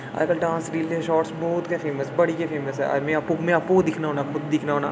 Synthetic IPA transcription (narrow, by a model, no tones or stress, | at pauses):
a̰ːkəlɖãːnsɖiːld̪eʃɔːʈsbɔːt̪kefʰeːməsbɐɽijafʰeːməsɦɛ̰ɐ̰mẽɐpũkmẽɐpokd̪ɪkʰnaɦoːnakʊd̪̚d̪ɪkʰnaɦoːnaː